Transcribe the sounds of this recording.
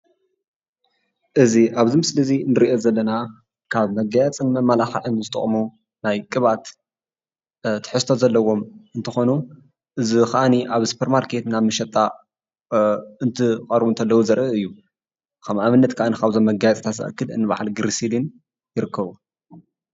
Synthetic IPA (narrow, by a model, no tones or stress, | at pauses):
ʔɨziʔaβzimɨslɐzinɨɾiʔo̞zɐlːɐna | kʰaβmɐɡajat͡sʼɨnmɐmːalaxɐʕɨnzɨt̪ʼɨ̰χʼmu | najkʼɨβat̪ | t̪ʰːɨ̥ħɨst̪ʰozɐlːɐwo̞mɨnt̪ʰɨxo̞nu | ʔɨzixaʔaniʔaβsu̥pʰeɾmaɾkʰe̞t̪naβmɨʃɐt̪ʼːa | ɨnt̪ʰɨkʼɐɾbunt̪ʰɐlːɐwuzɐɾʔɨɨjːu | kʰɐmʔaβɨnːɐt̪kʰaʔanikʰaβzomːɐɡajɐt͡sʼt̪ʰat̪zɐ̰ʔɐ̰kːɨlɨ̰nːɨβa̰ʕalɡɨɾisilin | jɪɾɨkːɐβu